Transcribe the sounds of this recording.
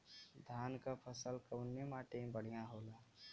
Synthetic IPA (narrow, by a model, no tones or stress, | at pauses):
d̪ʱaːnkapʰəsəlkəʊnːemaːʈẽbəɽ̤ijãɦoːlaː